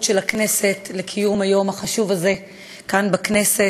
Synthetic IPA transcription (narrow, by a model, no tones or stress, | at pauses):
tʃelakne̞se̞tlekʰijumajo̞maχaʃuvaze̞ | kanbakne̞se